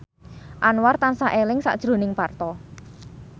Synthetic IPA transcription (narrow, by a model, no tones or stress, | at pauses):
ʔanwart̪ansaʔelɪŋsa̰ʔd̥ʒ̥ɾo̤nɪŋpart̪ɔ